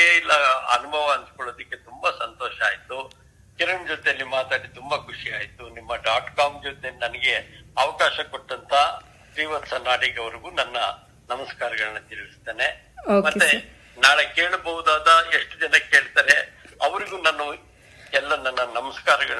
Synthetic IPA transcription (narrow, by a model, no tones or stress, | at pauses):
eilːɐɐ̰nubʱɐʋɐɐnt̪kɔɭoːd̪ɐkːe̞t̪umbɐsɐnt̪ɔːʃɐaːjit̪u | kiɾɐɳd͡ʒot̪elːimaːt̪aːɽit̪umbɐkʰuʂiaːjit̪unimːɐɖaːʈkaːmd͡ʒot̪enɐnɐɡe̞ɐʋɐkaːʃɐkoʈːɐnt̪ʰɐ | sʋiːʋɐt̪sɐnaːɽiɡɐʋɐɾiɡuːnɐnːɐ | nɐmɐskaːɾɐɡɐɭɐnːɐt̪iɾʋist̪eːne̞ | okmɐt̪ːe | naːɭekeːɭubɐɦud̪aːd̪ɐeʂʈud͡ʒɐnɐke̞ːɭt̪aːɾe̞ | ɐʋɐɾiɡuːnaːnu | ɛlːɐnːɐnːɐnɐmɐskaːɾɐɡɐɭɐ